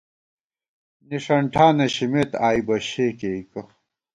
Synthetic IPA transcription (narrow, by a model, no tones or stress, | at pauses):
niʂɐɳʈʰaːneɕimet̪aːibɐɕeːkeiko